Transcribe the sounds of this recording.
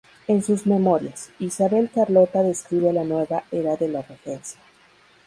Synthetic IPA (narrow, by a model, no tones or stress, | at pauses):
e̞nsuzme̞mo̞ɾjasisaβe̞lkaɾlo̞t̪aðe̞skɾiβelanwe̞βaeɾaðe̞larefe̞nsja